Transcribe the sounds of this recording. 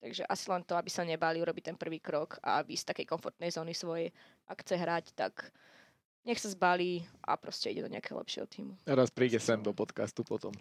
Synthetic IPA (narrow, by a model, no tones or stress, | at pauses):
t̪aɡʒɛʔasilɛnt̪ɔabisaɲɛbaliuɾɔbit̪ɛnpr̩ʋiːkɾɔkʰa̰vist̪akɛjkɔnfɔɾt̪nɛjzɔːnisʋɔjɛ | ʔakxt͡sɛɦɾact̪a̰k | ɲɛxsazbaliːʔa̰pɾɔscɛḭɟɛd̪ɔɲɛ̰akɛɦɔ̰lɛ̰pʃɪɛ̰ɦɔ̰t̪iːmuaɾaspɾiːɟɛsɛmd̪ɔpɔt̪kast̪upɔt̪ɔm